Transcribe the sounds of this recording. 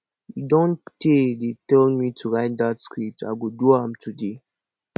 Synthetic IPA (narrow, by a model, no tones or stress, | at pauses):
judõntedetɛlmitʰuɹaɪt̚datskɹip̚ta̰ɪɡiduãmtʰude